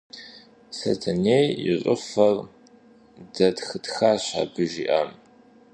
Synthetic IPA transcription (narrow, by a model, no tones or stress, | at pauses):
sɐ̰tʰɐneːjɪ̰ɕʼəfɐr | dɐdxɨtxaːɕa̰ːbɨʒḭʔɐm